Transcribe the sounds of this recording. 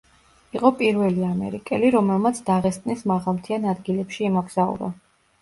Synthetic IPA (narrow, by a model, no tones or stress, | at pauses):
iqʼɔpʼiɾvɛliamɛ̰ɾikʼɛliɾɔmɛlˠmat̪sʰd̪̥aʁɛst̪ʼnismaʁalˠmt̪ʰianad̪ɡilɛpʃiːmɔɡz̥aṵla̰